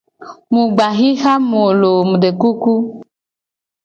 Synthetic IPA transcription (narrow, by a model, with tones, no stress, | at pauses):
mũ˨ɡ͡ba˨ɣi˦xa˦mo˨lo˨mũ˨ɖe˨ku˦ku˦